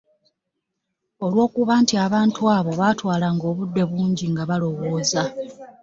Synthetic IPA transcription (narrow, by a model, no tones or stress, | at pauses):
o̞lwo̞ːkuβaːntiaβaːntuaːβo̞βatwaːlaŋɡo̞ːβudːe̞βuːɲɟiŋɡaβalo̞wo̞ːza